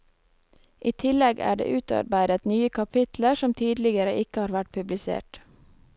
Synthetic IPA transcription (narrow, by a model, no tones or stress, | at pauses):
ʔiːt̪ʰɪlɛɡæ̰ːɖḛːʔʉːt̪ɑ̰ɾbæɪd̪ət̪nyːəkʰɑpʰɪt̪l̩əʃɔmt̪ʰiːd̪lɪɡəɾəʔɪkəhɑːɾʋæʈ̚pʰʉblɪsḛːʈ